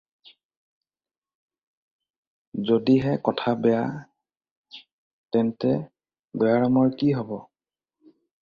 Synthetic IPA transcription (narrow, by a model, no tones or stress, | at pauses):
zodiɦɛkɔtʰabɛja | tɛntɛ | bɔjaɹɔmɔɹkiɦɔbɔ